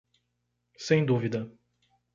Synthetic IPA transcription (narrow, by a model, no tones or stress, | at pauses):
sẽj̃d̪uvid̪ɐ